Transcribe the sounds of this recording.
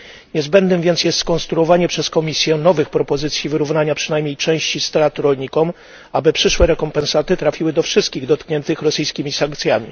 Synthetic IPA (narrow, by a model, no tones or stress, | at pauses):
ɲɛzbɛnd̪nɘmvʲjɛnt̪sjɛst̪skɔ̃nst̪ɾuɔvaɲɛpʂɛskɔmʲisʲjɛnɔvɘxpɾɔpɔzɘt̪sʲjivɘɾuvnaɲapʂɘnajmʲɲejt͡ʂɛ̃w̃ɕt͡ɕist̪ɾat̪ɾɔlɲikɔm | abɘpʂɘʂwɛɾɛkɔmpɛnsat̪ɘt̪ɾafʲiwɘd̪ɔfʂɘst̪kʲiɣd̪ɔt̪kɲɛnt̪ɘxɾɔsɘjskʲimʲisaŋkt̪sʲjamʲḭ